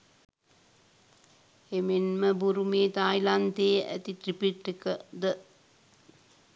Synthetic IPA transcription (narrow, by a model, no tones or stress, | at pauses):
emenməbuɾumeːt̪aːjlant̪eːæ̰t̪it̪ɾipiʈːikəd̪ə